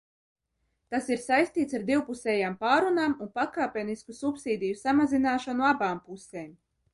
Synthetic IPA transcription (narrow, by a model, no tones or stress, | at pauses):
t̪asiɾsajst̪iːt̪saɾd̪iwpusɛːjaːmpaːɾunaːmunpakaːpʲɛniskusupsiːd̪ʲijusamazinaːʃanuabaːmpuseːm